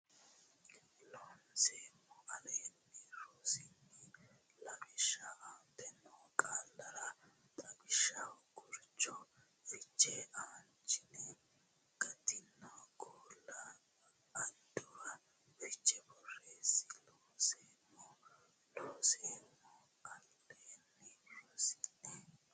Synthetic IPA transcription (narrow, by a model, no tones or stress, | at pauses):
loːnseːmːɔʔɐleːnːiɾoːsɪŋːɪ | lɐbɪʃɐaːt̪ːɛnːɔkʼaːlːɐɾɐ | t̪ʼɐbɪʃɐwɡʊɾt͡ʃːɔ | fɪt͡ʃʼːɛʔaːnt͡ʃːɪnɛ | ɡ̥ɐt̪ɪnːɔɡoːlːɐ | ɐnd̪ʊɾɐ | fɪt͡ʃʼːɛbɔreːsɪloːseːmːɔ | loːseːmːɔ | ɐl | enːɪɾɔːsɪnɛ